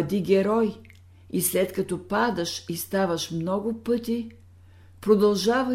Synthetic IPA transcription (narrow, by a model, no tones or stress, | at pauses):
d̪ʲiɡʲɛɾɔj | islɛt̪kɐt̪ɔpad̪əʃist̪avəʃmnɔɡʊpɤt̪i | pɾod̪ɐlˠʒavə